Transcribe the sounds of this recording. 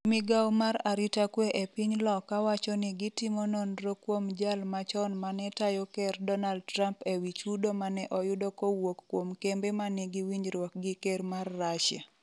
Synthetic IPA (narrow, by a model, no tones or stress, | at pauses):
mɪɡawmaɾaɾitakweʔepiɲlɔkawat͡ʃɔnɪɡɪtɪmononɾokwomd͡ʒalmat͡ʃɔnmanɛtajɔkɛrdɔnald̚tɾampewit͡ʃudomanɛʔɔjʊdokowokːwomkembemanɪɡiwiɲɾwɔk̚ɡɪkermarːaʃja̰